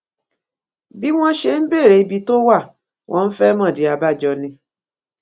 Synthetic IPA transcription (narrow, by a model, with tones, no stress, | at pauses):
bi˦w̃ɔ̃˦ʃe˧˨n̩˦be˦˨ɾe˧i˧bi˧to˦wa˦˨ | w̃ʔɔ̃˧n̩˦fɛ˦mɔ̃˦˨di˨˦a˨˧ba˦˨d͡ʒɔ˧nĩ˧